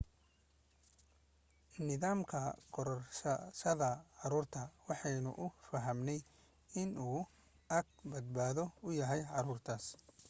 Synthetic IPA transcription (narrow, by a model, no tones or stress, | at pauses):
nɪðaːmkʰɐɡʰɔɾɔrʃɐʃɐðɐʕɑɾuːrt̪ʰɐwɑħɑjnʊ̰ʔʊfɐɦɐmnɛj | ɪnuː | ʔɐɡ̚bɐd̪̚baːðɔʊjɐɦɛjʕɑɾuːrt̪ʰaːs